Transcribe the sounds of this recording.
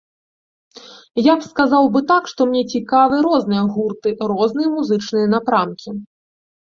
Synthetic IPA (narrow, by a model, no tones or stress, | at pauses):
japskazawbɨt̪akʂt̪ɔmnʲɛt͡sʲikavɨɾɔznɨjɐɣurt̪ɨɾɔznɨjɐmuzɨt͡ʂnɨjɐnapɾamkʲi